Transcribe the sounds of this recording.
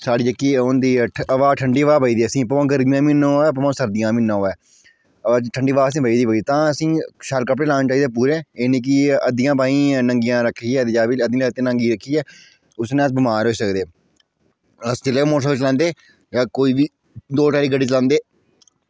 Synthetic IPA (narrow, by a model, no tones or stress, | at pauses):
saːɽiːd͡ʒəkːiːʊnd̪iːəʋaːʈʰəɳɖiːʋaːbəiːd̪iːəsĩːpəãːɡəɾmijãːmiːnõːɛːpəmõːsəɾd̪ijãːmiːnːãɛː | ʈʰəɳɖiːʋaːəs̬ĩːbəiːd̪iːbəit̪ãːəsĩːʃalkəp̬ɽeːlaːnːt͡ʃaːiːd̪eːp̬uːɾẽːeːneːk̬iəd̪ijãːpaːĩːnəŋɡijãːɾəkʰːiːɛːd̪ed͡ʒaːbiːəd̪j̃ĩt̪ẽːnə̃ŋɡiːɾəkʰːiːɛː | ʊsnẽːəsbɪmaːɾoːsəkd̪eː | əst͡ʃəleːmoːsəːt͡ʃəlãːnd̪eː | aːkoːiːʋiː | d̪oːʈaːɾiːɡəɖiːt͡ʃlãːnd̪eː